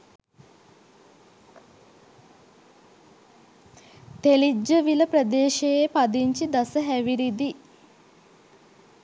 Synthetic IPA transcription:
t̪elid͡ʒːəʋiləprəd̪eːʃejepad̪iɲt͡ʃid̪asəɦæʋiɾid̪i

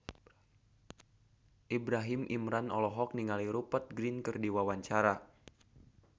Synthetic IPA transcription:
ʔibɾaɦimʔimɾanɔlɔɦɔk̚niŋaliɾupat̪̚ɡɾinkɨrdiwawaɲt͡ʃaɾa

